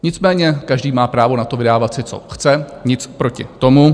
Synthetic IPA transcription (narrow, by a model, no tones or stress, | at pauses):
ɲɪt͡smɛːɲɛkaʒdiːmaːpɾaːvonat̪o̞vɪdaːvat̪sɪt͡so̰xt͡sɛɲɪt͡spɾo̞cɪ̰t̪o̞mu